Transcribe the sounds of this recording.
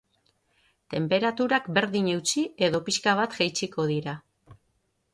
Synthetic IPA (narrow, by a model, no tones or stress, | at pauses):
t̪e̞mpe̞ɾat̪uɾakbe̞ɾðiɲe̞wt͡sie̞ðo̞piʃkaβat̪ʝ̥ajt͡siko̞ð̞iɾa